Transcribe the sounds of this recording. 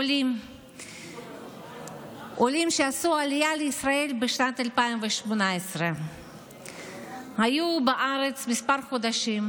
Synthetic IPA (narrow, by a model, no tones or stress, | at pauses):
lim | ʔolimʃeasualijaleisɾaelbeʃnat̪alpaimveʃmonaesɾe | hajubaʔaɾet͡smispaɾχod̪aʃim